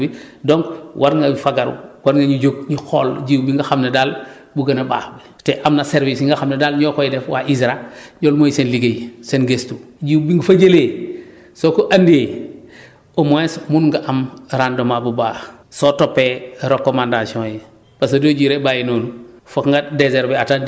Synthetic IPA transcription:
idoŋkwʔaɾŋɡawifaɡaɾṵwaɾŋɡaɲid͡ʒoɡ̚ɲixɔlɟiːwbiŋɡaxamnedal | buɡɐnɐba̰ːbi | teʔamnaseɾvisŋɡaxamnedalɲɔkojidɛfwaʔizɾaɲolmojsenliɡejsenɡestud͡ʒiːwbiŋɡufad͡ʒeleː | sokoʔandeː | omoesmunŋɡaʔamɾandomabubaːsotopːeɾokːomandasiɔ̃ːje | bas̬odoːd͡ʒiːɾebajenoːnufokŋɡadezeɾbɛata

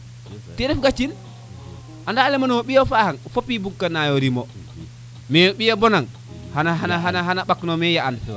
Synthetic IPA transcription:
tɛdɛfɡat͡ʃːin | ʔandalɛmanumoɓijofahaŋfopːibukːanajoɾimo | mɛɓijabɔnaŋ | hanaɦanaɦanaɦanaɓaknomɛjaan

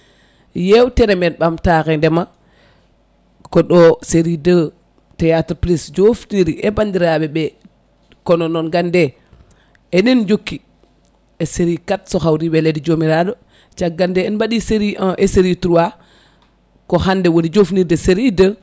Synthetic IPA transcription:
jewteɾemɛt̚ɓamtakɛndɛma | kɔɗɔseɾidə | tejatɾplisd͡ʒofniɾiʔebandiɾaɓɛɓɛ | kɔnɔnɔnɡande | enind͡ʒokːi | eseɾikatsoxawɾiɓeledid͡ʒomiɾado | t͡ʃaɡandɛːnbaɗiseɾiʔaʔeseɾitɾuwa | kohandɛwoɾid͡ʒofniɾdeseɾidə

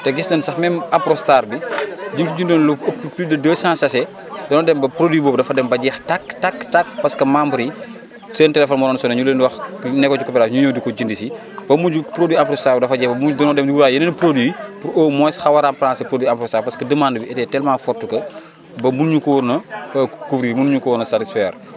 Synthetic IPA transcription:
tɛɡisdɐnsɐxmɛmɐpɾɔstaːrbid͡ʒiŋkuɟindonluɐpːplidɐdəːsãːsɐsɛ | dɔnɔdɛmbɐpɾodwiːbɔːbdɐfɐdɛmbɐɟɛːxtaktaktak̚pɐskɐmambɾi | səːntɛlɛfɔnmɔlɔːnsɔnɐɲulənwɐxnɛkːɔt͡ʃukɔpɛɾaːɲuɲɔːdikɔɟindisi | bɐmud͡ʒupɾodwiampɾɔstaːbdɐfɐɟɛːbɐudɔnɔdɛmuɡuɾaːjɐnɐnpɾodwiːpuɾoːmɔsxɐwɐɾampɾãːsɛpɾodwiampɾɔsaːpɐskədəmaːndəbiɛtɛːtɛlmãːfɔtːukɐ | bɐmunɲukɔɾnɐkufɾimunɲukɔnɐsatisfɛːɾ

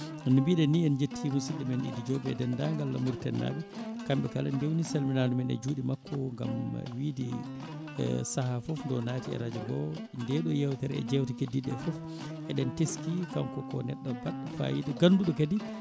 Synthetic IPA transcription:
nubiɗɛniɛnd͡ʒetʰːimusilːimɛnʔḭdid͡ʒoːbɛdɛndaŋɡalːamuɾtɛnːa̰ɓɛkamɓɛkaland͡ʒewniselminanumɛnɛ̰d͡ʒuɗimakʰːɔŋɡa̰m̰widḭ | sahafɔfndɔnaːtiɛ̰ɾad͡ʒaɡɔ | ndɛɗɔjɛwtɛɾɛɛ̰d͡ʒɛwtikediɗɛfɔf | ʔɛɗɛnteskikamkɔkɔnɛɗːabaɗːafa̰jidɛɡanːduɗɔkadi

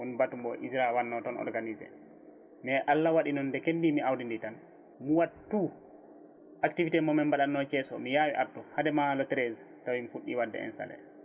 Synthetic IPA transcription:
ɔnbatumbɔʔizɾawanːɔtɔnɔ̰ɾɡanizɛ̰ | mɛʔalːawaɗinɔndɛkendimiawdinditan | muwatːu | ʔaktivitɛmɔmɛmbaɗanːɔt͡ʃɛsɔ̰mijaːwḭʔadɔhadɛmalɔtɛɾez | tawimifuɗːiwadːɛ̰ɛ̰nsa̰lɛ̰

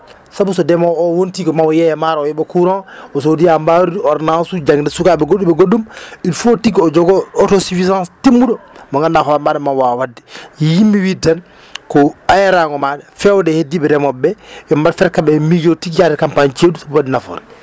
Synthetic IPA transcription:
sabus̬ɔdɛmɔɔwontikɔmawɔjɛjɛmaɾɔjɛɓɛkuɾɔnɔs̬odijambaɾidɔɾnasud͡ʒaŋdɛsukaɓɛɡoɗːiɓɛɡoɗːuminfotikɔd͡ʒɔɡɔɔtɔsifizãnstimːuɗɔmɔŋɡanːakɔamaɗɛmanwawadːijimːiwidɛn | kɔajaɾaŋɔmaɗɛfɛwdɛhediɓɛdɛmɔbɛjɔmbaɾfɛɾkaɓɛmid͡ʒotikjadɛkampant͡ʃedusabuwadinafɔ̰ɾɛ

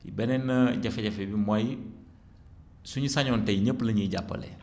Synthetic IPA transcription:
jḭbɛnɛnːɐɟɛfeɟɛfebimoj | suɲisaɲɔːnteɲəpːlɐɲiɟapːɐ̰lḛ

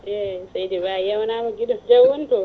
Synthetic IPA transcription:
ʔesajdebaːjawnaːmuɡʲɪdɔnd͡ʒawʊnto

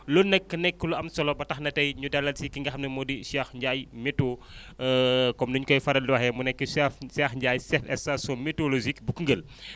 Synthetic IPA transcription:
lonːɛkːənɛkːuluɐmsɔlɔbɐtɐxnɐtɐjɲudɐlːɐlsikiŋɡɐxɐmnɐmɔdisaxɲɟajmɛto | kɔmduɲukɔjfɐɾɐldwɐhɛmunɛkːəssɛxɲɟaːjsɛtɛsasomitolozikbukəŋɡəl

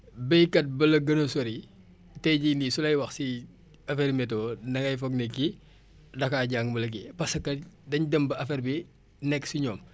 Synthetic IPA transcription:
bɛjkɐt̚bɐlɐɡɐnosoɾi | tɛɟinisulɐjwɐxsi | ɐfeɾmɛtoːnɐŋɐjfɔɡnekːi | dɐkaːɟaːŋmɐlɐk̬ipɐsɐkːɐdɐɲdəmbɐɐfɛɾbi | nɛkːsiɲɔːm

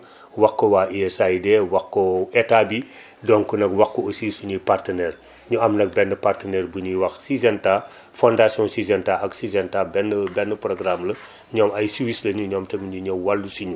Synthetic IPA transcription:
wɐkːɔwaːʔiɛsaidɛwɐkːɔɛtabi | dɔŋkunɐkwɐkːɔosiːsuɲujpartənɛːr | ɲuɐmnɐk̚bɛnːəpartənɛrbuɲiwɐxsizɛnta | fɔndasijɔ̃nsizɛntaɐksizɛntabɛnəbɛnːəprɔɡɾamlɐ | ɲɔːmɐjsiwislɐɲuɲɔːmtɛmiɲuɲɛwwalːusiɲu

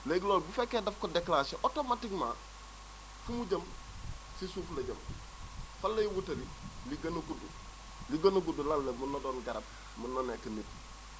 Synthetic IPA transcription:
leɡiloːlbufekːeːdɐfkodeklaseʔotomatiŋma | fumuɟɐm | sisuːflɐɟɐm | falːɐjiwutɐɾiliɡɐnuɡudu | liɡɐnuɡudulalːemunːodoːnɡɐɾɐb̚ | munːonekɐnit̚

